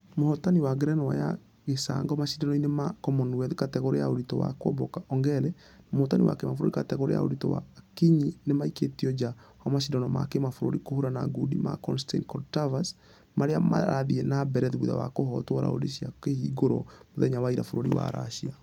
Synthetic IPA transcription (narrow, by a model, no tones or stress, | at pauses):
mohɔtaniwaɡɾɛnɔwa̰ja̰ | ɣesa̰ŋɡɔmaʃidanɔinemakɔmɔnwɛðkatɛɣoɾejaoɾitɔwa̰kwɔ̰bɔkaʔɔŋɡɛɾɛ | mohɔtaniwa̰kemafoɾoɾikatɛɣoɾḛja̰o̰ɾitɔwa̰kiɲinemaiketiɔd͡ʒawamaʃidanɔma̰kemafoɾoɾikohoɾanaɡudḭma̰kɔnstḛnkɔɾtavas | maɾeama̰ɾaðiɛnabɛɾɛðβuða̰wakohɔtwɔɾa̰o̰ɾeʃjakehiɡoɾɔ̰moðɛɲawaiɾafoɾoɾḭwa̰ɾa̰ʃia